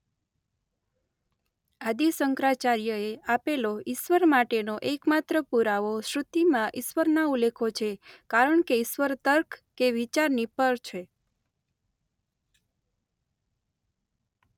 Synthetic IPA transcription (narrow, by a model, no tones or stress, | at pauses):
ad̪isəŋkɾat͡ʃaɾjəeapeloɪʃʋəɾmaʈenoʔekmat̪ɾəpuɾaʋoʃɾut̪imãʔɪʃʋəɾnaulekʰot͡ʃʰekaɾəɳkeɪʃʋəɾt̪əɾkʰkeʋit͡ʃaɾnipəɾt͡ʃʰe